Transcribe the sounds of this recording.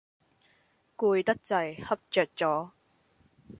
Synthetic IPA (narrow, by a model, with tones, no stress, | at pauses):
kuː˧jt̪ɐ˥k̚t͡sɐ˨˩jhɐ˥p̚t͡ʃœː˨k̚t͡sɔː˨˥